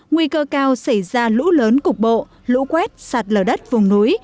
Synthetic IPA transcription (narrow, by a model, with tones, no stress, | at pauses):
ŋwi˧kəː˧kaː˧wsa˧˩jzaː˧lṵ˧˥ləː˨˦nkʊ˨˩k͡p̚ɓo̰˧˨ | lṵ˧˥kwɛ˦˥t̚sa˨˩t̚ləː˨˩ɗə˦˥t̚vʊ˨˩ŋ͡mnu˨˦j